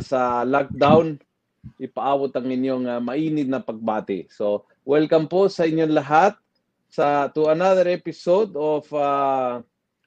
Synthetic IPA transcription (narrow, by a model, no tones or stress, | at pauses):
sɐlak̚d̪awn | ʔɪpɐʔaːbot̪ɐŋɪnjoŋamɐʔiːnɪt̪̚nɐpɐɡ̚baːt̪ɪ̰so | wɛlkɐmposɐɪɲjoŋlɐɦat̪̚ | sɐt̪ʊɐnaðɛɾʔɛpɪsod̪ofa